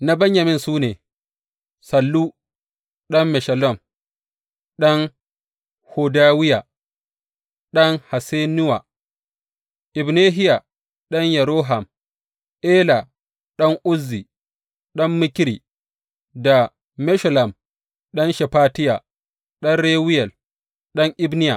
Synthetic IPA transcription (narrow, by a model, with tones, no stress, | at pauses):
na˦bɐ˦ɲjɐ˨mɪ˦nsuː˦neː˨ | sɐ˨lːu˦ | ɗɐ˦mːɛ˨ʃɐ˨lɔ˦˨m | ɗɔ˦ŋ | ho˨daː˦wɪ˦ja˨ | ɗɐ˦ŋha˨se˦nʊ˦wa˨ | ʔɪ˨bneː˦ɦɪ˦ja˨ | ɗɐ˦ɲjɐ˨ɾoː˦ɦa˨m | ʔeː˦la˨ | ɗɐ˦ŋʔʊ˦zːi˨ | ɗɐ˦mːɪ˦kɾḭ˨ | da˨ | mɛ˦ʃɔ˨la˨m | ɗɐ˦nʃɛ˨paː˦tɪ˦ja̰˨ | ɗɐ˦nɾeː˦wɪ˦jɛ˨l | ɗɐ˦ŋʔɪ˦bnɪ˦ja˨